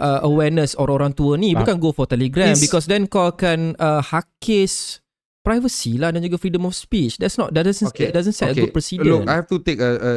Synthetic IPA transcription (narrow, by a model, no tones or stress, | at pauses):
ʔəʔəwɛnəsɔɾoɾãŋt̪uənĩbukanɡofɔt̪ɛliɡɾɛ̃mbikɔs̬dɛ̃nkɔlkanəhakʰes | pɾajvəsilahdɛ̃nd͡ʒuɡafɾidə̃mɔfspit͡ʃdɛtsnɔt̚dadazə̃nɛdazə̃nsɛtəɡupɹɔsiʊkajhɛft̪ut̪ekəə